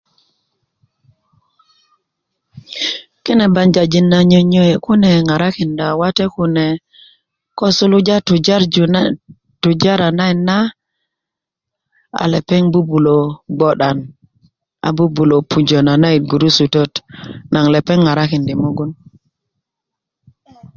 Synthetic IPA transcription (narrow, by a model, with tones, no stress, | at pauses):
ki˦ne˨ba˨ɲd͡ʒa˨d͡ʒi˨nːa˨ɲo˨ɲo˦˨ku˦ne˨ŋa˨ɾa˦ki˨nda˨wa˦te˦ku˦ne˨ | ko˦su˦lu˦d͡ʒa˦tu˨d͡ʒa˦ɾ | tu˨d͡ʒa˦ɾa˨na˦i˨nːa˦ | a̰˨le˨pe˦ŋbu˦bu˨lo˨ɡ͡bo˨ɗa˨n | a̰˨bu˦bu˨lo˨pʰu˨d͡ʒo˨na˨na˦i˨t̚ɡu˨ɾu˦su˨to˦tna˨ŋle˨pe˦ŋːa˨ɾa˦ki˨ndi˨mu˦ɡu˦n